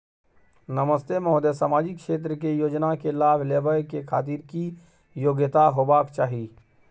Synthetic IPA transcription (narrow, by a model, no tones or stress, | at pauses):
nəməst̪emɔɦd̪esaːmaːd͡ʒɪkʃeːt̪̬ɾəkejoːd͡ʒnakelaːbʱleːbəjkekʰaːt̪̬iːɾki | joːɡət̪aɦoːbaːkt͡ʃaːɦi